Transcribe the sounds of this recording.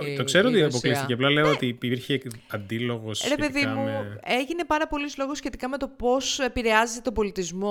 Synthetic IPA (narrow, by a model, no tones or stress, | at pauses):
t̪o̞kse̞ɾoot̪iɐpoklist̪iceɐplɐle̞oot̪iiɾçeɐnd̪ilo̞ɣo̞sçɾe̞epe̞ðimmue̞ʝine̞pɐɾɐpo̞lizlo̞ɣosçe̞t̪ikɐme̞t̪opo̞se̞piɾe̞ɐzet̪et̪obo̞lit̪izmo̞